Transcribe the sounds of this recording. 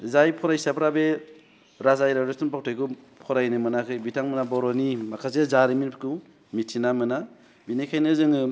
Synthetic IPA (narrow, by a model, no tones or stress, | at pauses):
zajpʰɔɾajsapʰɾabe | ɾazajɾaɾestunpak̚tʰajku | pʰɔɾajnɯmɯnakʰɯjbitʰaŋmɯnabɔɾɔnimakʰas̬ezaɾiminpku | mitʰinamɯna | binekʰajnɯzɯŋɯ